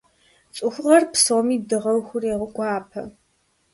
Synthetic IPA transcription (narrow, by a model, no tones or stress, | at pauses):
t͡sʼʊxʷʊʁɐrpsomiːdɨʁɐwxʷʊreːʁʊkʷʼɑːpʰɐ̰